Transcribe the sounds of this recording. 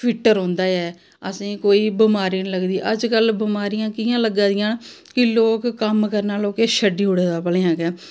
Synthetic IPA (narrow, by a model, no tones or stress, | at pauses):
pʰɪʈːəɾɦõːnd̪aːɛː | əsĩːkoːiːbɪmaːɾiːniləɡd̪iːʔəd͡ʒkəlbɪmaːɾijãːkiːãːləɡãːd̪ɪjãːn | kɪloːkkːəmkəɾnãːloːkeːʃəɖiːɦʊɽeːd̪aːpəleːãːkɛː